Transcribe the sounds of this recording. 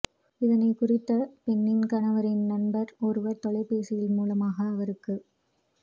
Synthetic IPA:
ɪðɐnɐɪkʊrɪt̪ːɐpɛnːɪnkɐnɐʋɐɾɪnnɐnbɐɾɔɾɯʋɐɾt̪ɔɭɐɪpːeːsɪjɪlmuːlɐmaːɣɐːʋɐɾɯkːɯ

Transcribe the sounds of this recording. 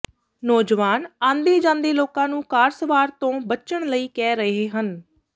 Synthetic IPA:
nɔːd͡ʒʋaːnãːnd̪eːd͡ʒãːnd̪eːloːkãːnũːkaːɾsəʋaːɾt̪õːbəːt͡ʃəɳləiːkɛːɾəɦeːɦən

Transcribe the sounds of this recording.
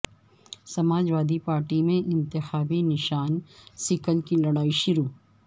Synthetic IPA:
sɐmaːd͡ʒʋaːd̪ipaːɾʈimẽʔɪ̃nt̪ɪxaːbinɪʃaːnsɪkəlkilɐɽaːiʃʊɾuː

